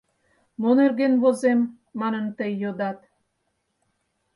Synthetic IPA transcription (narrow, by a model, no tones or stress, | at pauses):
monerɡenβozemː | ɑnə̆nt̪əjːod̪ɑt̪